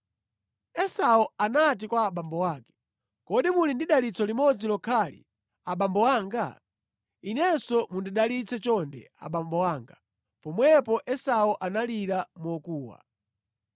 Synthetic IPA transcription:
ɛsaɔanat̬ikwaːɓambɔwaːkɛ̥ | kɔɗimulindiɗalit͡sʰɔlimɔd͡zilɔkʰalḭ | aɓambɔwaːŋɡa̰ | inɛsɔmundiɗalit͡sʰɛt͡ʃɔndɛ̰a̰ɓambɔwaːŋɡa | pɔmwɛpɔʔɛsaɔʔanaliɾamuɔkuːwa̰

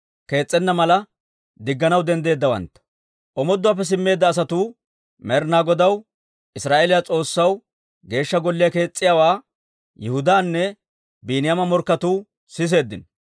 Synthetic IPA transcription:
ke̞ːt͡sʼːɛnːɐmɐlɐ | d̪ɪɡːɐnɐwd̪ɛnd̪e̞ːd̪ːɐwɐ̰nt̪ːɐ̥ | ʔɔmɔd̪ːʊaːp̬ːɛs̬ɪmːe̞ːd̪ːɐːs̬ɐt̪uː | mɛɾnaːɡɔd̪ɐw | ʔɪsɾaːʔelɪjat͡sʼo̞ːsːɐw | ɡe̞ːʃːɐɡɔlːɪjɐke̞ːt͡sʼːɪjaːwaː | jɛhʊd̪aːnːɛ | biːnɪjamɐmɔɾkːɐt̪uː | sɪs̬e̞ːd̪ːɪn

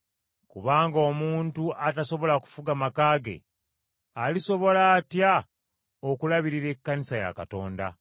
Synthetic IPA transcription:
kuβaːŋɡo̞muːntuʔataso̞βo̞laku̥fuɡamakaːɡe̞̰ | aliso̞βo̞laːtja | okulaβiɾiɾe̞kːanisaja̰kato̞̰ːnda̰

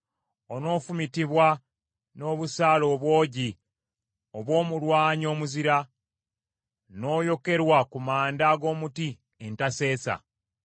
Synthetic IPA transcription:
o̞no̞ːfumitiβwa | no̞ːβusaːlo̞ːβwo̞ːɟi | oβwo̞ːmulwaːɲo̞ːmuziɾa | no̞ːjo̞ke̞ɾwakumaːndaːɡo̞ːmuti | entase̞ːsa̰

